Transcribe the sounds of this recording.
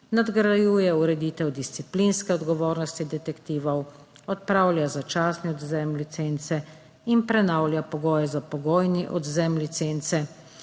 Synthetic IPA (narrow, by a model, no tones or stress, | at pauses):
nad̪ɡɾajuːjɛuɾɛd̪it̪ɛwd̪ist̪siplinskɛɔd̪ɡɔʋoːɾnɔst̪id̪ɛt̪ɛkt̪iːʋɔw | ɔt̪̚pɾaːwlʲjazat͡ʃaːsnɛɔd̪zɛmlit̪sent̪sɛ | inpɾɛnawlʲjapɔɡɔːjɛzapɔɡɔːjniʔɔd̪zɛmlit̪sent̪sɛ